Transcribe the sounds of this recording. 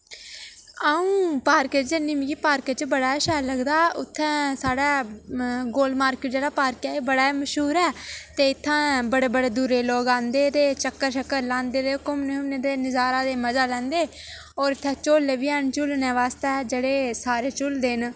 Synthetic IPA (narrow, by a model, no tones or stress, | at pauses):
əːũːpaːɾket͡ʃənɪmɡiːpaːɾket͡ʃbəɽaːɛʃɛːləɡd̪aːʊt̪ʰːɛ̃ːsaːɽaː | ɡoːlmaːɾkeːʈ̚d͡ʒeːɽaːpaːɾkɛːeːbəɽaːməʃɦuːɾɛːt̪eːɪt̪ʰːãːbəɽeːbəɽeːd̪uːɾeːloːɡãːnd̪eːt̪eːt͡ʃəkːəɾʃəkːəɾlãːnd̪eːd̪eːkomnɪmned̪eːnɪzaːɾãːd̪eːməzaːlɛ̃ːnd̪eː | ɔːɾɪt̪ʰːɛ̃ːt͡ʃoːlːeːʋiːɛːnt͡ʃʊlnɛːʋaːst̪ed͡ʒeːɽeːsaːɾeːt͡ʃʊld̪eːn